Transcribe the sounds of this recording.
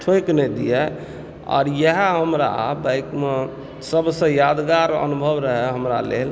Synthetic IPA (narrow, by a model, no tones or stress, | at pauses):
ʈʰojknɛd̪ijɛ | ɔ̰ːɾjəɦɛɦəmɾa̰abajkme | səbsə̃jad̪ɡaɾə̰nubʱəʋɾəɦɛɦəmɾa̰lḛl